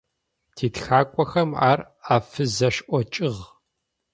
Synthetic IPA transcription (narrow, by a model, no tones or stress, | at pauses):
tʰiːtxaːkʷʼɔxɐma̰ːr | aːfɨzɐʃʔʷɔt͡ʃʼɪʁ